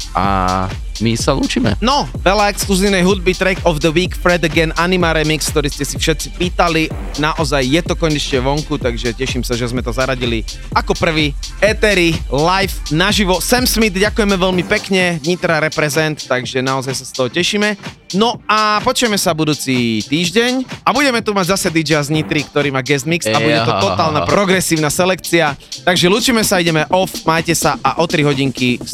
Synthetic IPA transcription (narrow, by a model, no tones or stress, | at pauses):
ʔa̰ | misalṵːt͡ʃimɛ̰nɔʋɛʎaɛkskluziʊnɛjɦud̪̚bit̪ɾɛkɔvd̪əwiːkfɾɛd̪əɡɛnʔanimaɾɛmiksk̚t̪ɔɾiːscɛsifʃɛt̪̚t͡sipiːt̪ali | naʔɔzajːɛt̪ɔkɔɲɛt͡ʃɲɛʋɔŋkut̪aɡʒɛcɛʃimsaʒɛzmɛt̪ɔzaɾaɟili | akɔpr̩ʋiːɛt̪ɛɾilajfnaʒiʋɔsɛmsmid̪ɟakujɛmɛʋɛʎmipɛkɲɛɲit̪ɾaɾɛpɾɛzɛnt̪ːaɡʒɛnaɔzajsast̪ɔɦɔcɛʃiːmɛ | nɔapɔt͡ʃʊjɛmɛsabud̪uːt͡sit̪iːʒɟɛɲabuɟɛmɛt̪umaɟzasɛd̪id͡ʒazɲit̪ɾikt̪ɔɾiːmaːɡɛzmiksabuɟɛt̪ɔt̪ɔt̪aːlnapɾɔɡɾɛsiːʊnasɛlɛk̚t͡siat̪aɡʒɛluːt͡ʃiːmɛsaiɟɛmɛʔɔfmaːjcɛsaʔaʔɔt̪ɾiɦɔɟiŋki